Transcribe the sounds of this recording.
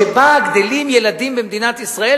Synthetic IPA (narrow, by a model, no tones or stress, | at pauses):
ebaɡd̪elimje̞lad̪imbemd̪inat̪isʁae